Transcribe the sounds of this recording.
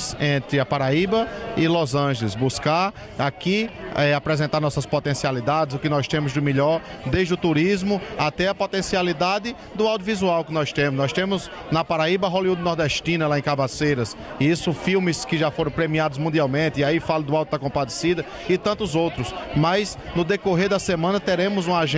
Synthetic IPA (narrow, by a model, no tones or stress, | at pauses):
sẽnt̪ɾɪɐpaɾaibɐɪlozɐ̃ʒelɪsbuskaɾ | akiɛapɾɛzẽnt̪aɾnɔsɐspɔt̪ẽsialid̪ad̪ɪzʊkɪnɔjst̪ẽmʊzd̪ɪmiʎɔɾ | d̪eʒd̪ɪʊt̪uɾizmʊat̪ɛɐpot̪ẽsialid̪ad̪ɪ | d̪ʊawd̪jʊvizuawkɪnɔjst̪ẽmʊznɔjst̪ẽmʊz | nɐpaɾaibɐɦoliud̪ɪnɔɾd̪ɛʃt̪ĩnɐlaẽkabasejɾɐs | iisʊfiwmɪskɪʒafoɾɐ̃w̃pɾemiad̪ʊzmũd̪iawmẽt̪ɪiaifalɐd̪ʊawt̪ʊd̪ɐkõpad̪esid̪ɐ | ɪt̪ɐ̃nt̪ʊzowt̪ɾʊsmɐjsnʊd̪ekoɦeɾd̪ɐsemɐ̃nɐt̪eɾẽmʊzũaʒ